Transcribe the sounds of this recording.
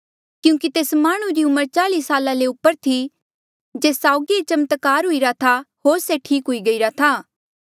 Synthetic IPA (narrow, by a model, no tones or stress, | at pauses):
kjũːkit̪eːsmaːɽ̃uɾiʊməɾt͡ʃaːliːsaːlaleʊpːəɾt̪ʰi | d͡ʒeːsaːʊɡiet͡ʃɐmət̪kaːɾɦʊiɾat̪ʰaɦoːɾseʈʰiːkɦʊiɡɐiɾat̪ʰaː